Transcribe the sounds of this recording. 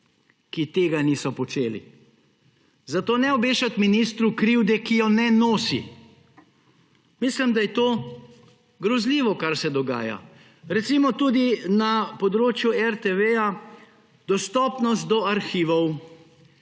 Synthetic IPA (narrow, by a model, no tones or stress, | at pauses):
kit̪eːɡaniːsɔpɔt͡ʃeːlḭ | zat̪oːnɛɔbeːʃat̪minist̪ɾukɾiwd̪ɛkijɔnɛnoːsḭ | mislimd̪ajɛt̪oː | ɡɾɔzliːʋɔkaɾsɛd̪ɔɡa̰ːja̰ | ɾɛt̪simɔt̪uːd̪inapɔd̪ɾoːt͡ʃjuɛɾt̪eʋeja | d̪ɔst̪ɔːpnɔst̪̚d̪ɔaɾxiːʋɔw